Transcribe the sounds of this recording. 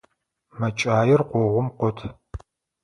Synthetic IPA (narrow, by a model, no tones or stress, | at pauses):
mɐt͡ʃʼaːjɪrqʷɔʁʷʊmqʷɔtʰ